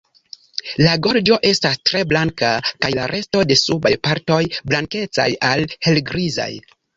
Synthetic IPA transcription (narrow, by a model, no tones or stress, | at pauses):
laɡo̞ɾd͡ʒo̞ʔe̞stastɾe̞blaŋkakajlaɾʔe̞sto̞de̞subajpaɾto̞jblaŋke̞t͡sa̰jalhe̞lɡɾiza̰j